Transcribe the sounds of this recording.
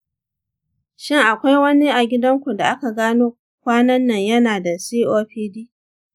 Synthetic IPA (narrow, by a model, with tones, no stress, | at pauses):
ʃɪ˦ŋʔa˨kʷa˦jwɐ˦ni˦ʔa˨ɡʲɪ˦dɐ˦ŋkʷu˨da˨ʔa˦ka˨ɡaː˦noː˦ | kʷaː˦nɐ˦nːɐ˨ɲjɐ˦naː˨da˨siː˦ʔoː˦ɸiː˦diː˦